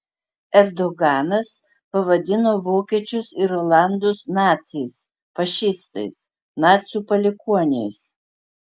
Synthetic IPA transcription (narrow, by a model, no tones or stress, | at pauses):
ɛɾd̪ɔɡɑːnɐs | pɐʋɐd̪ʲɪnoːʋoːkʲiɛt͡ʃʲʊsɪɾoːlˠɑnd̪ʊsnɑːt̪sʲɛɪs | fɐʃʲɪst̪ɐɪs | nɑːt̪sʲuːpɐlʲɪkuɔnʲejs